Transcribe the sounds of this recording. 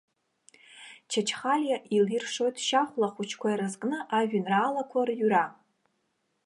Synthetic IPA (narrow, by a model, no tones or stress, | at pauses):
t͡ʃʰat͡ʃʰχalʲjaʔilirʂo̞jtʰʼʃaχʷlaχʷut͡ʃʰkʷʰaiɾazkʼnɨʔaʒᶣanraːlakʷʰarjyɾa